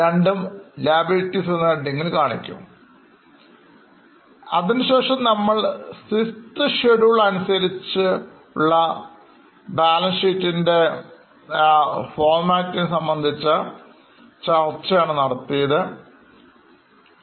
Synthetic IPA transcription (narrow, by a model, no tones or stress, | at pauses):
ɾeɳɖumlaːbiltːisenːɐɖiŋːɐɭkaːɳikʲːṵm | ɐ̰ðinɨɕe̞ːʂɐmnɐmːɐɭsistɨɕeɽuɭɐnusɐɾit͡ɕːɨ | uɭːɐ | baːlɐnsiːtːinde̞ | foːrmaːktːinsɐmbɐnd̪ʱit͡ɕːɐ | t͡ɕɐrt͡ɕːɐjaːɳɨnɐɽɐt̪ːijɐðɨ